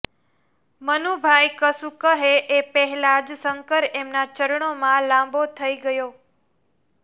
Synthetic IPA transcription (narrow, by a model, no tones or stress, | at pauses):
mənubʱaikəsukəɦeʔepəɦɛlad͡ʒsəŋkəɾemnat͡ʃəɾɳomãlãmbot̪ʰəiɡəjo